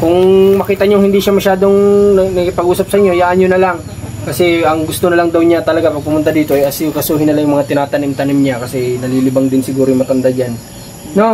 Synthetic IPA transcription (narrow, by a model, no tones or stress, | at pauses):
kʊŋmɐkiːt̪ɐɲoŋhɪnd̪iːʃamɐʃaːd̪o̞ŋnɐnɐkɪpɐɡʔuːsɐp̚sɐʔɪɲːohjaːʔɐɲɲonɐlaŋ | kɐsɛɐŋɡʊst̪onɐlɐŋd̪ɐwɲat̪ɐlɐɡapɐɡ̚pʊmʊnt̪ad̪iːt̪o̞ʔɐjʔɐsɪukɐsuːɦɪnɐlɐŋjʊŋmɐŋat̪ɪnaːt̪ɐnɪmt̪ɐnɪmɲakɐsɛnɐliːlɪbɐŋd̪ɪnsɪɡuːɾojmɐt̪ɐnd̪ad͡ʒan | no